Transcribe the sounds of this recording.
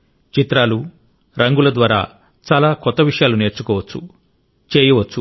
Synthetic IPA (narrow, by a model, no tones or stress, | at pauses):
t͡ʃit̪ɾaːlu | ɾʔɐŋɡulɐd̪ʋaːɾa̰ː | t͡ʃaːlaːkɔt̪ːɐʋiʂɐjaːlune̞ːɾt͡ʃukɔːʋɐt͡ʃːu | t͡ʃeːjiʋɐt͡ʃːu